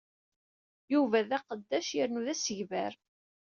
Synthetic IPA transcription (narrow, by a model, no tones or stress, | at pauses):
juvæðæqəd̪ːæʃjəɾnuðæsəʝvæɾ